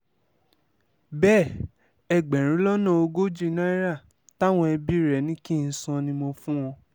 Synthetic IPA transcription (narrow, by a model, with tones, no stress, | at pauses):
bɛ˦˨ | ɛ˧˨ɡ͡bɛ˨ɾ̃ĩ˨˦lɔ˦nã˦˨o˧ɡo˦d͡ʒi˧˨˧nã˦i˦ɾa˦˨ | ta˦w̃ɔ̃˧ɛ˧bi˦ɾɛ˨nĩ˦ki˦˨n̩˦sɔ̃˧nĩ˧mo˧fũ˦w̃ɔ̃˧